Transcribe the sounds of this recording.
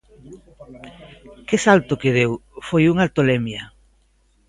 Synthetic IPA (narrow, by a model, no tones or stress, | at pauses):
kɪsalt̪ʊkeð̞ewfojuŋalt̪olɛmjɐ